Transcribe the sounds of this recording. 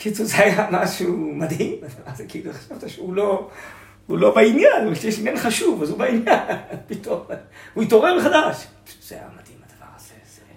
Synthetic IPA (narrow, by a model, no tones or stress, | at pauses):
kit͡suzeajamaʃumad̪ɦimazkiːlueχḁʃavt̪aʃeulo | ulobainjanoʃejɛʃinanχaʃuvazubainjanpit̪omhuit̪oʁeleχadaʃ | z̥ḛaja̰mad̥̪himad̥̪ava̰ʁaz̥ḛz̥e